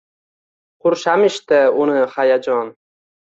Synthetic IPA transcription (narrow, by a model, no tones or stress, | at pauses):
qʰʊɾʃamɪʃt̪ɪʊnɪhajad͡ʒɒn